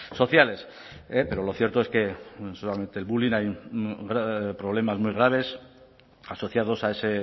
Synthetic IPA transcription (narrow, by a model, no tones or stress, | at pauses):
so̞θjale̞s | epe̞ɾo̞lo̞θjeɾt̪o̞e̞ske̞solame̞nt̪e̞ːlβulinajɡɾapɾo̞β̞le̞mazmujɣ̞ɾaβ̞e̞s | aso̞θjaðo̞sae̞se̞